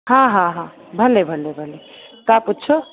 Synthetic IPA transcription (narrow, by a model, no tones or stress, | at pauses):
ɦãɦãɦã | bʱəlebʱəlebʱəle | kaputːt͡ʃʰə